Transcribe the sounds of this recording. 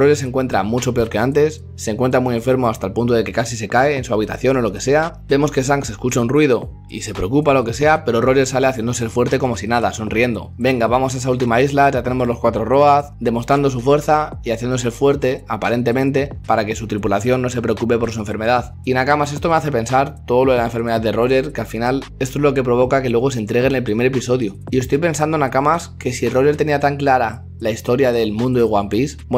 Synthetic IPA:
ro̞ʎese̞ŋkwe̞nt̪ɾa̰mut͡ʃo̞pe̞o̞ɾke̞ant̪e̞sːe̞ŋkwent̪ɾamie̞ɱfe̞ɾmo̞ast̪alpunt̪o̞ð̞e̞ke̞kasise̞kae̞ːnsuaβ̞it̪a̰θjo̞no̞lo̞ke̞se̞abe̞mo̞ske̞s̬aŋkse̞skut͡ʃaunrwið̞o̞ | ḭse̞pɾe̞o̞kupalo̞ke̞se̞ape̞ɾo̞ro̞ʎe̞sale̞aθje̞nd̪o̞seɾfwe̞ɾt̪e̞ko̞mo̞sinaðaso̞nrie̞nd̪o̞̰be̞ŋɡaβamo̞saes̬ault̪imaizlaʝat̪e̞ne̞mo̞zlo̞skwat̪ɾo̞ro̞aθd̪e̞mo̞st̪ɾand̪o̞sufwe̞ɾθaiaθje̞nd̪o̞se̞fwe̞ɾt̪e̞apaɾe̞nt̪e̞mẽ̞nt̪e̞paɾake̞sut̪ɾipulaθjo̞nːo̞se̞pɾe̞okupe̞po̞ɾs̬ue̞ɱfeɾme̞ðað | inakamase̞st̪o̞me̞aθe̞pe̞nsaɾt̪o̞ðo̞lo̞ðelaẽɱfe̞ɾme̞ðaðe̞ro̞ʎe̞ɾkealfinale̞st̪oezlo̞ke̞pɾo̞β̞o̞kake̞lwe̞ɣ̞o̞s̬ent̪ɾe̞ɣ̞ene̞lpɾime̞ɾe̞piso̞ðjoie̞st̪ojpe̞nsand̪oe̞nakamaske̞siro̞ʝe̞ɾt̪e̞niat̪aŋklaɾa | laist̪o̞ɾjaðe̞lmũnd̪oðeɣwampis

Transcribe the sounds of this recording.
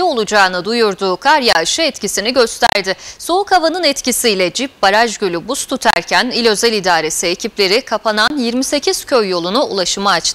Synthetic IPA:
io̞lˠud͡ʒaːnɯd̪ujuɾd̪uːkʰaɾjaɯʃɯɛt̪cisiniɟø̞st̪ʰæ̰ɾd̪ɪso̞ukavanɯnɛt̪cisijlʲɛd͡ʒip̚baɾaʒɟølʲybust̪ʰut̪ʰæ̰ɾcʰænilʲø̞zɛlʲid̪aːɾe̞siecʰiplʲe̞ɾikʰapʰananjiɾmise̞cʰiz̥cʰøjːo̞lˠunuulˠaʃɯmaːt͡ʃt̪ʰ

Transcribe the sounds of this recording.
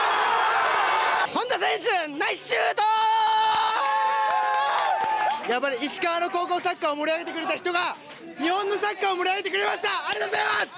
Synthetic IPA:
hõ̞nd̪osẽ̞ɕɯ̃naiɕɨːt̪o | japːaɾʲiːɕi̥kaano̞ko̞ːko̞ːsakːaomo̞ɾʲiaɡe̞t̪ekɯ̟ɾe̞t̪açi̥t̪o̞ɡa | ɲ̟ihõ̞nːo̞sakːaomo̞ɾʲiaɡe̞t̪ekɯ̟ɾe̞maɕi̥t̪aːɾʲet̪oozaimas

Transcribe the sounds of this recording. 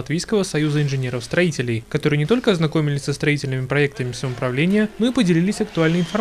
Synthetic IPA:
ɐt̪vʲejskəvəsɐjuzəɪnʐɨnʲeɾəfst̪ɾɐitʲɪlʲɪjkɐt̪oɾɨjənʲɪt̪o̞lʲkəɐznɐkomʲɪlʲɪsʲsəst̪ɾɐitʲɪlʲnmʲɪpɾɐɛk̚t̪əmʲɪfsɐpɾɐvlʲenʲɪjənoipədʲɪlʲilʲɪsʲɐkt̪ʊalʲnəjɪnfɐ

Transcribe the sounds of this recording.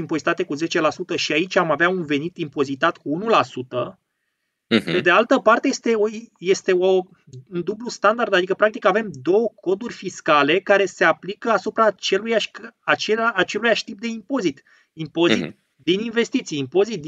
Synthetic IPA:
impo̞zit̪at̪e̞kuze̞t͡ʃe̞lasut̪əʃiait͡ʃʲamaveaunve̞nit̪impo̞zit̪at̪kuunulasut̪ə | pe̞d̪ealt̪əpart̪e̞jest̪e̞oije̞st̪e̞o | und̪ublust̪and̪ard̪ad̪ikəpɾak̚t̪ikave̞md̪o̞wəkʰo̞d̪urʲfiskale̞kaɾe̞se̞aplikəasupɾat͡ʃe̞lujaʃkat͡ʃeaat͡ʃe̞lujaʃt̪ip̚d̪e̞impo̞zit̪ | impo̞zit̪ | d̪ininve̞st̪it̪sijimpo̞zit̪̚d̪

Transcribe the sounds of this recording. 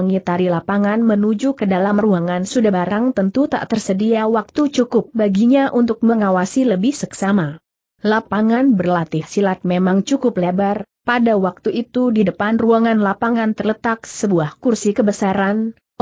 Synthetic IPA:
əŋit̪aɾilapaŋanmənud͡ʒukədalamruaŋansudahbaɾaŋt̪ənt̪ut̪a̰ʔt̪ərsədiawak̚t̪ut͡ʃukʊp̚baɡiɲaʔunt̪ʊk̚məŋawasiləbɪhsəksama | lapaŋanbərlat̪ɪhsilat̪̚memaŋt͡ʃukʊplebarpadawak̚t̪uit̪udidəpanruaŋanlapaŋant̪ərlət̪ak̚səbuahkursikəbəsaɾan

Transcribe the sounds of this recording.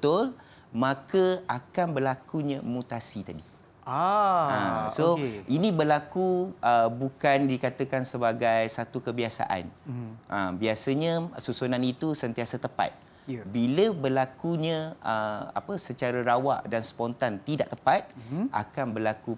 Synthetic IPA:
bət̪ʊl | mãkəakanbərlakuɲãmut̪asit̪adi | ə̃soinĩbəlakuʔəbukandikat̪əkansəbaɡajsat̪ukəbiasa̰ʔa̰nʔəmbiasəɲə̃susunanit̪usənt̪iasət̪əpa̰t̪̚ | biləbəlakuɲə̃əa̰pəsət͡ʃaɾəɾawa̰ʔdanspɔnt̪ant̪idaʔt̪əpat̪̚ʔa̰kanbəlaku

